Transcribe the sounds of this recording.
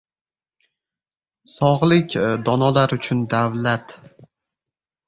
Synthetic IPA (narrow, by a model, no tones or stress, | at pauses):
sɒʁlɪkʲd̪ɒnɒlaɾʊt͡ʃʰʊnd̪avlat̪